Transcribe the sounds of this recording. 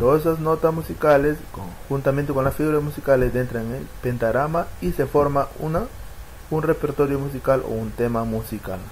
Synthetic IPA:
t̪oðesaznot̪asmusikaleskoxunt̪amẽnt̪ekonlasfiɣuɾasmusikaled̪ent̪ɾaŋepent̪aɾamaisefoɾmaṵna | unrepeɾt̪oɾjomus̬ikalʔo̰unt̪emamusika̰l

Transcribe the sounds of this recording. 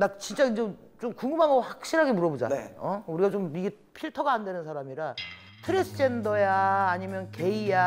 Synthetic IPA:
nak̚t͡ɕint͡ɕ͈aind͡ʑe | t͡ɕomkuŋumaŋoɸwak̚ɕ͈iɾɦaɡemuɾʌbod͡ʑa̰na̰j̰ʌuɾiɡat͡ɕomiɡe | pʰiɭtʰʌɡaandwenɯnsʰaɾamiɾa | tʰɯɾes͈ʰɯd͡ʑe̞ndʌjaːɲimjʌnke̞ija

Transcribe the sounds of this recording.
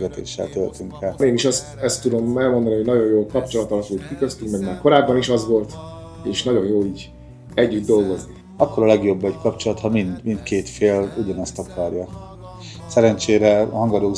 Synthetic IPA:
ɡɛt̪ḛːʃːɛ̰lt̪elt̪yŋkɛleːniʃɒst̪ɛst̪ːud̪o̞mɛlmo̞nd̪ɒniho̞ɟnɒɟo̞jjoːlkɒpt͡ʃo̞lɒt̪ɒlɒpult̪kikøst̪yŋkmɛɡmaːrko̞ɾaːbːɒniʃɒzʋo̞lt̪ | eːʃnɒɟo̞jjoːiːɟ | ɛɟːyd̪̚d̪o̞lɡo̞zni | ɒkːoɾɒlɛɡjo̞bːɛɟkɒpt͡ʃo̞lɒt̪hɒmind̪mint̪keːt̪feːluɟɒnɛst̪ɒkʰɒrjɒ | sɛɾɛnt͡ʃeːɾɛhɒŋɡɒd̪oː

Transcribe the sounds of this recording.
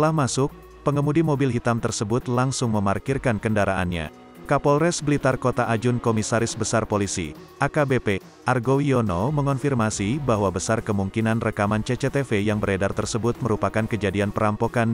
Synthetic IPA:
t̪əlahmasʊk̚ | pəŋəmudimobilɦit̪amt̪ərsəbʊt̪laŋsʊŋməmarkirkankəndaɾaʔa̰nɲa̰ | kapɔlrɛsbəlit̪arkot̪aʔad͡ʒʊnkomisaɾɪsbəsarpolisḭ | ʔakabepe | ʔarɡowionoməŋɔnfirmasibaɦwabəsarkəmuŋkinanrəkamant͡ʃet͡ʃet̪efejaŋbəɾedart̪ərsəbʊt̪̚məɾupakankəd͡ʒadianpəɾampokan

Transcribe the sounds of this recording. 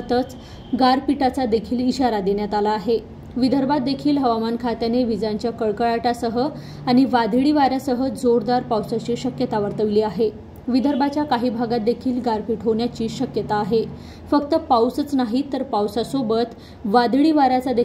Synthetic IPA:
t̪ət͡s | ɡaɾpiʈat͡sad̪ekʰiːliɕaɾad̪eɳjat̪alaːɦe | ʋid̪ʱəɾbʱat̪̚d̪ekʰiːlɦəʋamankʰat̪janeʋid͡zjaɲt͡ɕjakəɭkəɭaʈasəɦə | aɽ̃iʋad̪ʱɭiːʋaɾjasəɦəd͡zoɾd̪aɾpawsat͡ɕiːɕəkjət̪aʋəɾt̪əʋiliːaɦe | ʋid̪ʱəɾbat͡ɕjakaɦiːbʱaɡat̪̚d̪ekʰiːlɡaɾpiʈʰɦoɳjat͡ɕiːɕəkjət̪aːɦe | fəkt̪əpawsət͡snaɦit̪əɾpawsasobət̪ | ʋad̪ʱɭiːʋaɾat͡sad̪e

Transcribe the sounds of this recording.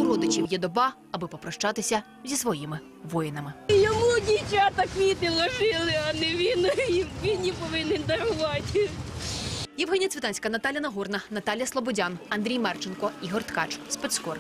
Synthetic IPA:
ʊɾɔd̪ɪt͡ʃiwjɛd̪ɔbɑ | ɐbɪpɔpɾɔʃt͡ʃɑt̪ɪsʲɐ | zʲisʋɔjimɪ | ʋɔjɪnɐmɪjɔmudʲit͡ʃʲat̪ɐkʋʲit̪ɪlˠɔʒɪlˠɪɐnɛʋʲiniʋʲinjipɔʋɪnɪnʲd̪ɐɾʊʋɑtʲ | jɐwɦɛnʲijɐtt͡s̪ʲʋʲɪt̪ɑnʲsʲkɐnɐt̪ɑlʲjɐnɐɦɔrnɐnɐt̪ɑlʲjɐslˠɔbɔdʲanɐnd̪ɾʲijmɛrt͡ʃɪnkɔiɦɔrt̪kɑ̰t͡ʃspɛt̪skɔr

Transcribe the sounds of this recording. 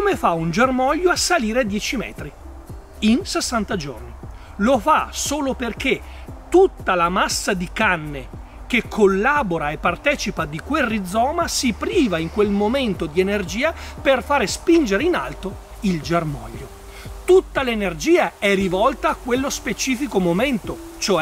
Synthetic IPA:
komefaund͡ʒermɔʎːoasːaliːɾed̪jɛːt͡ʃimɛ̰ːt̪ɾi | insesːant̪ad͡ʒo̰rni | lofasoːloperket̪ut̪ːalamasːad̪ikanːe | k̟ekʰːolːaːboɾaepːart̪ɛːt͡ʃipad̪ikwerːid̪zːɔːmasipɾiːvaiŋkwelmoment̪od̪ienerd͡ʒiːaperfaːɾespind͡ʒeɾeina̰lt̪o | ild͡ʒermɔ̰ʎːo | t̪ut̪ːalenerd͡ʒiːaɛrivɔlt̪aːkːwelːospet͡ʃiːfikomoment̪o | t͡ʃoɛ

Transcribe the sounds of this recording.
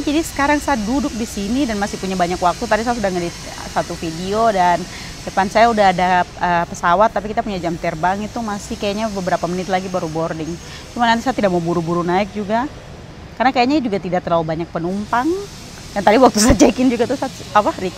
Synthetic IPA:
d͡ʒadisə̥kaɾaŋsajadudʊk̚disinidanmasɪhpuɲabaɲakwak̚t̪ut̪adis̬ajasudahŋadi | sat̪ufidiodan | dəpansajaudaɦadaəpəsawat̪ːapikit̪apuɲad͡ʒamt̪ərbaŋit̪umasɪhkajaʔɲabəbəɾapamənɪt̪laɡibaɾubɔrdɪŋ | t͡ʃumanant̪isajat̪idaʔ̚mabuɾubuɾunaɪk̚d͡ʒuɡa | karnakajaɲad͡ʒuɡat̪idak̚t̪əlaubaɲak̚pənumpaŋ | dant̪adiwak̚t̪usat̪̚t͡ʃɛkɪnd͡ʒuɡat̪usat̪̚apahɾik

